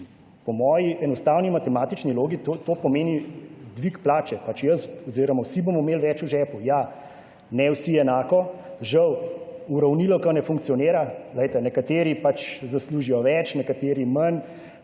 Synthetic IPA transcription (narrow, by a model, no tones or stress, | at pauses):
pɔmɔːjiʔɛnɔst̪aːwnimat̪ɛmaːt̪it͡ʃniloːɡit̪ot̪oːpɔmeːnid̪ʋikplaːt͡ʃɛpat͡ʃjəsɔziɾɔmawsibomɔmeːlʋɛt͡ʃuʒɛpuja | nɛwsiɛnaːkɔʒɐwuɾawnilɔkanɛfuŋk̚tsijɔneːɾaləjt̪ɛnɛkat̪eːɾipat͡ʃzasluːʒijɔʋɛt͡ʃnɛkat̪eːɾimɐn